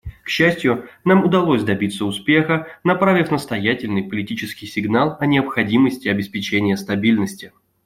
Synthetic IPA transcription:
kɕːæsʲtʲjʊnamʊd̪ɐlˠosʲd̪ɐbʲit̪səʊspʲe̞xənɐpɾavʲɪfnəst̪ɐjætʲɪlʲnɨjpəlʲɪtʲit͡ɕɪskʲɪjsʲɪɡnalˠɐnʲɪəpxɐdʲiməsʲtʲɪɐbʲɪspʲɪt͡ɕenʲɪjəst̪ɐbʲilʲnəsʲtʲɪ

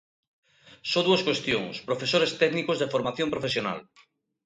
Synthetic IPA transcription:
soðuɐskwest̪joŋspɾofesoɾest̪ɛɡnikozðefoɾmaθjompɾofesjona̰l

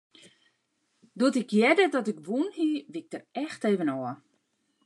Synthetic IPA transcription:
duətɪkjɛdədɔtɪkʋunhiʋɪk̚tərɛxteːvənɔə

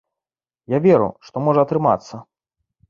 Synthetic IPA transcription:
javʲeɾṵʂt̪ɔmɔʐɐɐt̪ɾɨma̰t̪sːɐ

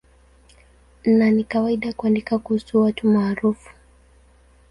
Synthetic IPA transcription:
nnanikawaiɗakuandikakuhusuwatumaːɾufu̥

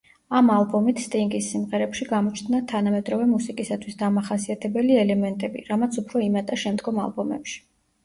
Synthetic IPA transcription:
amalˠbɔmit̪ʰst̪ʼiŋɡisːimʁɛɾɛpʃiɡamɔt͡ʃʰnnat̪ʰanamɛd̪ɾɔvɛmusikʼisat̪ʰwisd̪amaχasiat̪ʰɛbɛliɛlɛmɛnt̪ʼɛbḭɾamat̪sʰupʰɾɔimat̪ʼaʃɛmd̪ɡɔma̰lˠbɔmɛ̰pʃi̥

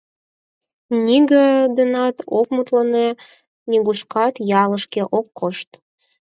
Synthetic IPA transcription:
nʲiɡə̆d̪ənɑt̪okmut̪ləne | nʲiɣuʃkɑt̪jɑləʃkeʔokːoʃt̪

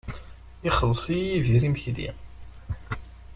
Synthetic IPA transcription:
iχəlsˤiiviɾimçlḭ

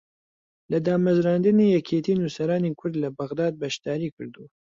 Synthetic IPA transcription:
lɐd̪aːmɐzɾaːnd̪ɨniːjɛkʰeːt̪ʰinusɐɾaːnikʰʊɾd̪lɐbɐɣd̪aːd̪̚bɐʃd̪aːɾiːkʰɨ̰ɾd̪u

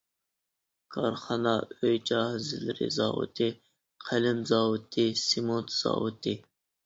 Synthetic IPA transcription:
kʰɑɾχɑnɑøjd͡ʒɑhzɪlɪɾɪ̰zɑ̰ːwʊ̰t̪ʰɨ | qʰælɪmzɑːwʊt̪ʰɨsimot̪ʰz̥ɑ̰ːwɨt̪ʰɨ

